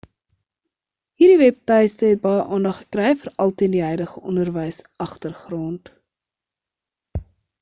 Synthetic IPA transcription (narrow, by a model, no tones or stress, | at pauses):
ɦiːrɾdivɛp̚təjstəɦɛt̚bɑjəʔɑːndɐχə̥krɛjfərɐlˠtiəndiɦœjdəχəʔɔnərvəjsɐχtərχrɔnt